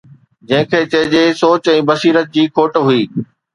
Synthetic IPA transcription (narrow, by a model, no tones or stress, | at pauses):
d͡ʑɐ̃ɦɪ̃kʰeːt͡ɕɐɦɪ̃d͡ʑeːsoːt͡ɕɛ̃ːbɐsiːɾət̪̚d͡ʑiːkʰoːʈɦʊiː